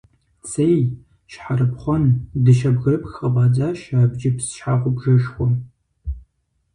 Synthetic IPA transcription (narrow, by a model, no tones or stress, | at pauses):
sej | ʃħarɨpχʷɔndɨʃɐbɣɐrɨpxɐbɑːd͡zaːʃaːbd͡ʒɪpsʃħaːʁʷʊbʒɐʃxʷɔ